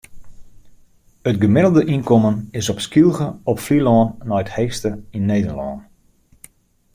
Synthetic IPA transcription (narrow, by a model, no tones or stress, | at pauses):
ət̚ɡəmɪdəl̩ˠdəʔinkɔmənɪsɔpskilˠɣəɔpflilɔːnːɔjəthejxstəinːeːdəɹlɔ̰ːn